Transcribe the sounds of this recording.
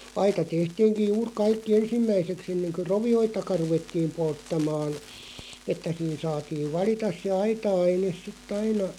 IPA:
ɑitɑ tehtiːŋkij̆ juːr kɑikːi ensimːæiseks enːeŋkø roʋioitɑkɑ ruʋetːiːm poltːɑmɑːn etːæ siːn sɑːtiːʋ̆ ʋɑlitɑs se ɑitɑɑines̆ sitː ɑinɑ

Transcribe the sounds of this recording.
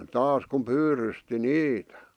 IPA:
tɑːs kum̆ pyːrysti niːtæ̥

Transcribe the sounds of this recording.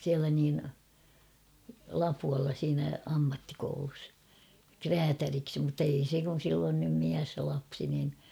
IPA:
siælæ niːn lɑpuɑlːɑ siːnæ ɑmːɑtːikoulus kræːtæriksi mutːei se kun̞ silː on nym miæs jɑ lɑpsi nin

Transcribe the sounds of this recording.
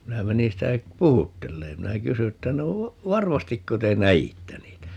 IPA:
minæ menin̞ sitæ puhutːelːeːm minæ kysy etːæ no ʋɑrmɑstikːo te næitːæ niːtæ

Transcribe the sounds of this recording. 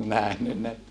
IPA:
næhnyn ne

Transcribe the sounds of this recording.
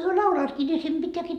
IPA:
hyø lɑulɑːtki ni sem b̥itːæːkiː

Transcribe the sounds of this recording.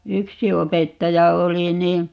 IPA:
yksi opetːɑjɑ oli ni

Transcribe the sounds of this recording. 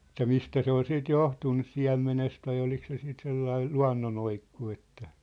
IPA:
etːæ mistæ se ol siːt johtun nys siæ̝mːenest ʋɑi olik se siːt selːɑi luɑ̝nːonoikːu etːæ

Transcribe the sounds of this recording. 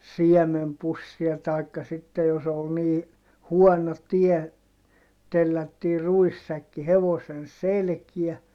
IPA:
siɛmempusːiɑ tɑˑikːɑ sitːej jos ol niː huɔno tie telːætːiː ruisːækːi heʋosen selkiæ

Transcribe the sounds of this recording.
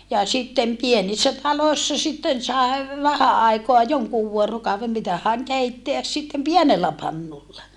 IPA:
jɑ sitːem pienisːæ tɑloi̯sːɑ sitːen sɑe ʋæhæ ɑˑikoɑ joŋkuːʋ ʋuorokɑuʋem mitæhæˑŋ keitːeæs sitːem pienelːæ pɑnːulːɑ

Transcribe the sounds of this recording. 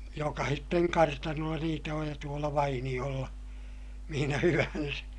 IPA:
jokɑhitːeŋ kɑrtɑnolːɑ niːtæ oj jɑ tuolɑ ʋɑinij̆olːɑ mihinæ hyʋænsæ̥

